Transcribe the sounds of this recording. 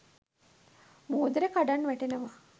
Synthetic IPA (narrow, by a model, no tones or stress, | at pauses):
moːd̪eɾekaɖanːʋæʈenɐʋa